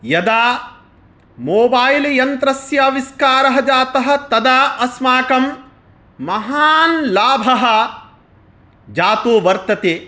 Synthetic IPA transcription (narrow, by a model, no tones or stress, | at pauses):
jɐd̪aː | moːbaːjljɐnt̪ɾɐsjɐʋiskaːɾɐɦɐd͡ʒaːt̪ɐɦɐ̆t̪ɐd̪aːʔɐsmaːkɐmː | ɐɦaːnlaːbʱɐɦɐ̆ | d͡ʒaːt̪uːʋɐɾt̪ɐt̪eː